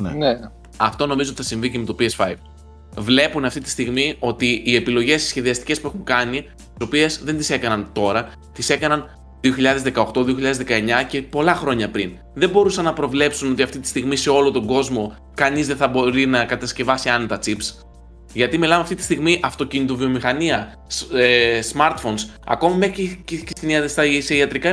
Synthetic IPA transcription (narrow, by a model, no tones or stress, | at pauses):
nene | ɐft̪o̞no̞mizoot̪iθɐsiɱvicemet̪o̞piesfɐiv | vle̞punɐft̪it̪i̥st̪iɣmio̞t̪iːe̞pilo̞ʝe̞ssçe̞ðiɐst̪i̥ce̞spue̞xuŋkɐni | st̪iso̞pie̞zðe̞nt̪ise̞kɐnɐnt̪o̞ɾɐ | t̪ise̞kɐnɐn | ðio̞çiʎɐðezðe̞kɐo̞xt̪o̞ðio̞çiʎɐðzðekɐe̞ɲɐce̞po̞lɐxɾo̞ɲɐpɾin | ðe̞bo̞ɾusɐnːɐpɾo̞vle̞psuno̞t̪iɐft̪it̪i̥st̪iɣmise̞o̞lot̪o̞ɡo̞zmo̞ | kɐnizðeθɐbo̞ɾinɐkɐt̪ɐsce̞vɐsiɐnet̪ɐt͡sips | ʝɐt̪imilɐmeɐft̪it̪i̥st̪iɣmiʔɐft̪o̞cinit̪ovio̞mixɐniɐ | esmɐɾt̪fo̞ns | ɐ̰ko̞mimexicst̪iniɐðst̪ɐseiɐt̪ɾikɐ